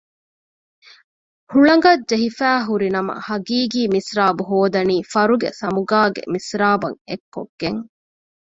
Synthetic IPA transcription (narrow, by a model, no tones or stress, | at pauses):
huɭɐŋɡɐdd͡ʒeɦifæːɦuɾinɐmɐ̰hɐɡiːɡiːmisɾaːbuɦoːd̪ɐniːfɐɾuɡḛsɐmuɡaːɡḛmisɾaːbɐŋekːo̰ɡːeŋ